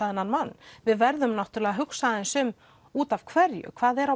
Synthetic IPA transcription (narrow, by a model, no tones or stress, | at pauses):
aðɪnːanmanːvɪðvɛɾðʏmnawht̪ʏɾlɛːɣaɦʏksaðɪnsʏm | uːt̪av̥kʰvɛɾjʏ̰kʰv̥aːðɛɾa